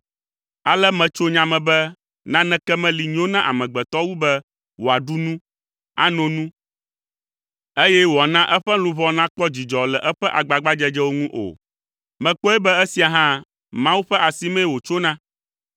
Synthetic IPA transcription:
a˨lɛ˦mɛ̃˨t͡ʃo˦ɲã˨mɛ̃˨bɛ˦ | nã˦nɛ̃˨˦kɛ˦mɛ̃˦li˨ɲ˦õ˦nã˦ʔa̰˨mɛ̃˨ɡ͡bɛ˨t̪ɔ˦wu˦bɛ˦ | wo˨a˨ɖu˦nũ˦ | a̰˦nɔ̃˨nũ˦ | e˦jɛ˦wo˨a˨nã˦ʔɛ˦ɸɛ˦lũ˨βɔ˦nã˦k͡pɔ˦d͡ʑi˨d͡ʒɔ˨lɛ˨ʔɛ˦ɸɛ˦ʔa˨ɡ͡ba˨ɡ͡ba˦d͡ʒɛ˦d͡ʒɛ˦wo˦ŋũ˦ʔo̰˨ | mɛ̃˨k͡pɔ˦ɛ˦bɛ˦ɛ˦si˨˦a˨ɦã˦ | mã˦wu˦ɸɛ˦ʔa˨si˦mɛ̃˦˨wo˨t͡ʃo˦nã˦

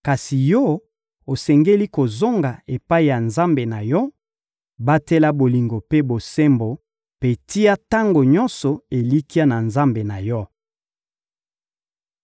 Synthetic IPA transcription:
ka˨si˨jɔ˦ | o˨sɛ˨ŋɡe˦li˦ko˨zo˦ŋɡa˨e˨pa˦i˨ja˨nza˦mbe˨na˨jɔ˦ | ba˦tɛ˦la˦bo˨li˨ŋɡo˨pe˦bo˨sɛ˦mbo˨ | pe˦ti˦ja˦ta˦ŋɡo˨ɲɔ˦nsɔ˨e˨li˦ki˦a˦na˨nza˦mbe˨na˨jɔ˦

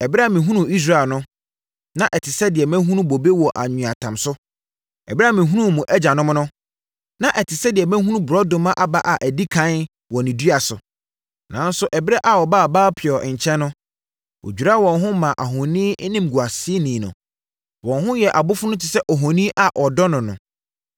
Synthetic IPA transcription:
ɛ˨bɪ˦ɾɛ˦a˦˨mɪ̃˨ɦũ˦nũ˨i˦s̬ɾa˦˨nʊ̃˦ | nã˦ʔɛ˨tʰɪ˨sɛ˦dɪ˨ɛ˨mɛ̃˦ɦũ˦nũ˦bo˨be˦wɔ˨ʔa˨ɲũ˨a˨tʰã˨msʊ˦ | ɛ̰˨bɪ˦ɾa˦˨mɪ̃˨ɦu˦nũ˦˨mũ˨ʔɛ˦d͡ʑa˨nʊ̃˦m˦nʊ̃˦ | nã˦ʔɛ˨tʰɪ˨sɛ˦dɪ˨ɛ˨mɛ̃˦ɦũ˦nũ˦bʊ˨ɾɔ˦dʊ̃˨mã˦ʔa˨ba˦ʔa˨ʔæ˨di˦kʰã˨˦n | wɔ˨nĩ˨du˦a˨sʊ̰˨ | nã˨n˦sʊ˦ʔɛ˨bɪ˦ɾɛ˦ʔa˨ɔ˨baː˦˨baː˦pʰɪ˨ɔ˨ʔɲ˨t͡ɕʰɛ̃˦nːʊ̃˦ | wʔo̰˨d͡ʑᶣu˨ɾa˦wɔ̃˨nɦʊ̃˦mã˨ʔa˨ɦɔ̃˨nĩː˦nɪ̃˦m˨ɡu˨a˨sɪ˦e˦nĩ˨nʊ̰̃˨ | wɔ̃˨nɦʊ̃˦jɛ˨ʔa˨bʊ˦fʊ˦nʊ̃˦tʰɪ˨sɛ˦ʔɔ˨ɦɔ̃˨nĩ˦ʔa˨ʔɔ˨dɔ˦nʊ̃˨nʊ̃˨

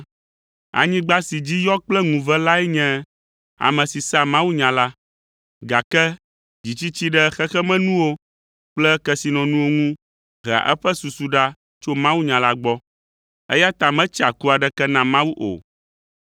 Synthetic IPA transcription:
a̰˨ɲĩ˦ɡ͡ba˦si˨d͡ʑi˦jɔ˦k͡plɛ˦ŋũ˨vɛ˦la˦ɛ˦ɲɛ̃˦ | a̰˨mɛ̃˨si˨sa˦mã˦wu˦ɲã˨la˦ | ɡa˨kɛ˦ | d͡ʑi˨t͡ɕi˦t͡ɕi˦ɖɛ˦xɛ˦xɛ˦mɛ̃˦nũ˦wo˦ | k͡plɛ˦kɛ˨si˨nɔ̃˨nũ˦wo˦ŋũ˦ | ɦa̰˨ʔɛ˦ɸɛ˦su˨su˨ɖa˦ | t͡ʃo˦mã˦wu˦ɲã˨la˦ɡ͡bɔ˦ | ɛ˦ja˦t̪a˨mɛ̃˦t͡ʃa˨ku˦a˨ɖɛ˦kɛ˦nã˨mã˦wu˦ʔo̰˨

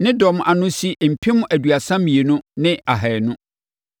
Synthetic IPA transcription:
nɪ̃˦dɔ˨m˨ʔa˨nʊ̃˦si˦m̩˨pʰi˦mʊ̃˦ʔæ˨du˨a˨sã˦mĩ˨e˨nʊ̃˦nɪ̃˦a˨ɦɛ˨nʊ̃˦

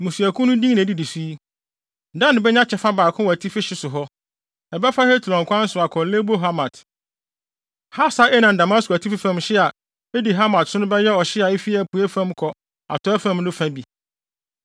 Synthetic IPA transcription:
mũ˨su˨æ˨kʰʊ̃˦nʊ̃˦dĩ˦ŋnã˨di˨di˨siː˦˨ | dã˦nɪ̃˨bɛ˦ɲã˦t͡ɕʰɛ˨fa˦baː˨kʰʊ̃˦wɔ˨æ˨tʰi˦fɪ˦ɕɪ˦sʊ˨ɦɔ˦ | ɛ˨bɛ˦fa˦he˦tʰu˨ɾɔ̃˨ŋ˨kʰʷã˦n̩˦sʊ˨a˨kʰɔ˨˦le˦bo˦ɦa˦ma˨t | ha˦sa˦ɛ˦nã˨nda˨ma˦skɔ˨æ˨tʰi˦fi˦fã˨mɕɪ˦a˨ | e˦di˨ɦa˦ma˨tsʊ˦nʊ̃˦bɛ˦jɛ˦ɔ˨ɕɪ˦a˨e˦fi˦æ˨pʰu˨æ˦fã˦mkʰɔ˨ | a̰˨tʰɔ˨˦ɛ˦fã˦mnʊ̃˦fã˦bi˨

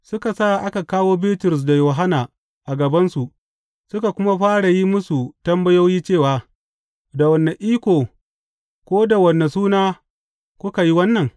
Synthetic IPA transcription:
sʊ˦ka˨sa˦˨ʔa˦ka˨kaː˦woː˦biː˦tʊ˨ɾʊ˨s̬da˨joː˨ɦa˦naː˨ | ʔa˨ɡɐ˨bɐ˦nsu˨ʔ | sʊ˦ka˨kʷʊ˦ma˦ɸaː˦ɽa˨ji˦mʊ˦su˨tɐ˦mbɐ˦jo˦wjiː˦t͡ʃeː˦˨waː˨ | da˨wɐ˨nːa˨ʔiː˦kʷoː˨ | kʷoː˦da˨wɐ˨nːa˨suː˦naː˦ | kʷʊ˦ka˨ji˦wɐ˦nːɐ˨ŋ

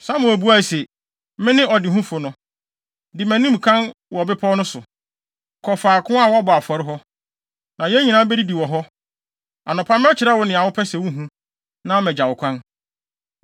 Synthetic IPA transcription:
sa˦mʊ̃˨æ˨bu˦a˦˨sɛ˨ | mɪ̃˦nɪ̃˦ɔ˨dɪ˨ɦũ˦fʊ˨nʊ̃˦ | dɪ˨mæ̃˨nĩ˦m˨kʰã˦nwɔ˨bɪ˦pʰɔ˦nʊ̃˦sʊ˨ | kʰɔ˨faː˨kʰʊ̃˦a˦˨wɔ˦a˦bɔ˨a˨fɔ˨ɾɪ˦ɦɔ˦ | nã˨jɛ˦ɲĩ˨nã˦bɛ˦di˦di˨wɔ˨ɦɔ˦ | a˨nʊ̃˨pʰã˦m̃˦t͡ɕʰɪ˨ɾa˦wɔ˨nɪ̃˨a˨wʊ˦pʰɛ˦sɛ˨wʊ̃˦ɦũ˦ | nã˦ɔ˦˨mɛ̃˨d͡ʑa˨wʊ˨kʷʰã˦n

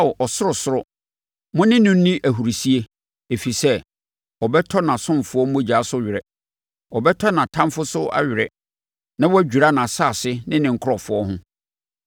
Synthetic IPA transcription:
ʔɔ˨sʊ˦ɾʊ˨sʊ˦ɾʊ˦ | mʊ̃˦nɪ̃˦nʊ̃˦n̩˦nĩ˦ʔæ˨ɦu˨ɾi˨si˦e˦ | e˨fi˨sɛ˦ | ɔ˨bɛ˦tʰɔ˦nã˨sʊ̃˦m˨fʊ˨˦ɔ˦mʊ̃˦d͡ʑa˨˦sʊ˦ɥɪ˨ɾɛ˨ | ɔ˨bɛ˦tʰɔ˦nã˨tʰã˦mfʊ˦sʊ˦a̰˦ɥɪ˨ɾɛ˨ | nã˦wɔ˦æ˦d͡ʑᶣu˨ɾa˦nã˨saː˦˨sɪ˦nɪ̃˦nɪ̃˨ŋ̩˨kʰʊ˦ɾɔ˨fʊ˨˦ɔ˦ɦʊ̃˦

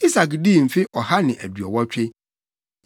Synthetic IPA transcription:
i˦sa˨kdi˦˨m̩˨fɪ˦ʔɔ˨ha˦nɪ̃˨ʔæ̰˨dɥɔ˨wɔ˦t͡ɕᶣɪ˦

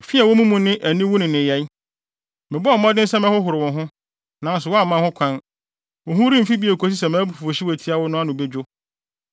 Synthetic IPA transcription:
fi˦ɛ˨wɔ˦mũ˦mũ˨nɪ̃˦ʔæ˨nĩ˦wʊ˦nʊ̃˨nɪ̃˨jɛ˨˦i˦ | mɪ̃˨bɔ˦ɔ˨mɔ̃˦dɪ˦n̩˦sɛ˦mɪ̃˦hʊ˦ɦʊ˨ɾɪ˨wʊ̃˨ɦʊ̃˦ | nã˨n˦s̬ʊ˨wɔ˦a˨mã˦hʊ̃˦kʷʰã˦n | wɔ˨ɦʊ̃˦ɾĩ˦m̩˨fi˦bi˦e˨kʰo˨s̬i˦s̬ɛ˨mã˨˦bu˨fu˨o˨ɕi˦wɔ˨tʰi˦a˦wʊ˦nʊ̃˦a˦nʊ̃˨be˦d͡ʑᶣʊ˦

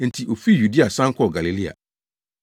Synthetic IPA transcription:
n̩˨tʰi˨ʔo˨fi˦˨ju˨di˦a˨sã˦ŋ˦kʰɔ˦˨ɡa˨li˨li˦a̰˨

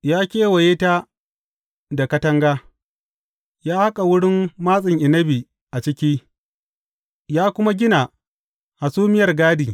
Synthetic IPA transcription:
jaː˦kʲeː˦wɐ˨jeː˦ta˦ | da˨kɐ˦tɐ˦ŋɡaː˦ | jaː˦ha˦kʼa˨wʊ˦ɽɪ˦mːaː˦sʼɪ˨ŋʔɪ˨nɐ˦bi˨ | ʔa˨t͡ʃɪ˦kʲiː˦ | jaː˦kʷʊ˦ma˦ɡʲɪ˦na˨ | ha˨suː˦mɪ˦jɐ˨rɡaː˦diː˨

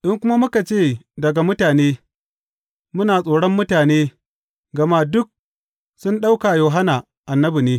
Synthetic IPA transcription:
ʔɪ˦ŋkʷʊ˦ma˦mʊ˦ka˨t͡ʃeː˦˨dɐ˨ɡa˨mʊ˦taː˨neː˦ | mʊ˦naː˨sʼoː˨ɽɔ˦mːʊ˦taː˨neː˦ | ɡɐ˨ma˦dʊ˦k̚ | sʊ˦nɗa˦wkaː˨joː˨ɦa˦naː˨ | ʔa˨nːɐ˦bi˨neː˦

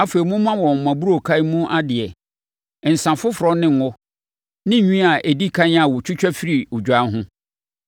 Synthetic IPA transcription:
a˦fe˨ɾi˨mʊ̃˦mã˦wɔ̃˨m̩˨mã˨bu˦ɾo˦˨kʰa˦mũ˦ʔa˦dɪ˨ɛ˨ | n̩˨sã˨fʊ˦fɾɔ˦nɪ̃˦ŋ˨ɔ˦ | nɪ̃˦˨ɲᶣĩ˦a˨ʔe˨di˦kʰã˦ɲ˦a˨wʊ˨t͡ɕʰᶣʊ˦t͡ɕᶣɛ˦fi˦ɾi˨ʊ˨d͡ʑᶣa˦n˦ɦʊ̃˦

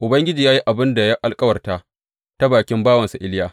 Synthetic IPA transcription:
ʔʊ˨bɐ˦ŋɡʲɪ˦d͡ʒiː˨jaː˦ji˦ʔa˨bɪ˦nda˨ja˦ʔa˨lkʼɐ˦wɐ˨rta˦ | ta˦baː˨kʲɪ˦mbaː˦wɐ˨nsa˨ʔɪ˦ljaː˦

